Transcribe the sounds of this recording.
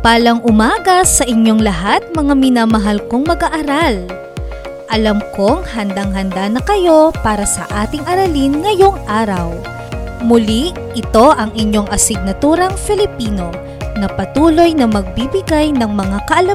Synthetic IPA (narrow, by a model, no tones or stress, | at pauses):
paːlɐŋʔʊmaːɡɐsɐʔɪɲjo̞ŋlɐɦat̪̚mɐŋamɪnaːmɐɦalko̞ŋmɐɡaʔɐɾal | ʔɐlɐmko̞ŋhɐnd̪aŋɦɐnd̪anɐkɐjo̞paːɾɐsɐ̰ʔaːt̪ɪŋʔɐɾɐlinŋɐjo̞ŋʔaːɾɐw | mʊli | ʔɪt̪o̞ʔɐŋʔɪɲjo̞ŋʔɐsɪɡ̚nɐt̪uːɾɐŋfɛlɪpiːno̞ | nɐpɐt̪uːlo̞jnɐmɐɡ̚bibɪɡajnɐŋmɐŋakɐʔɐlɐ